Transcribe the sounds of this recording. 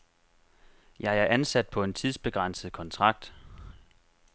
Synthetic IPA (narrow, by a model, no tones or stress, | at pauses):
jɑ̈ɪæɐʔænsæd̥̚pʰɒ̽e̝nt͡sʰið̞ˠsb̥e̝ɡ̥ʁɑn̰səð̩ˠkʰɒ̽nt͡sʰʁɑ̈ɡ̥̚d̥